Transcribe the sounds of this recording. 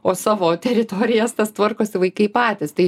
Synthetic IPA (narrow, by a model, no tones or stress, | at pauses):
oːsɑːʋoːt̪ʲɛɾʲɪt̪oːɾʲɪjɛst̪ɐst̪ʋɐrkoːsʲɪʋɐɪkɐɪpɑːt̪ʲɪst̪ɐɪ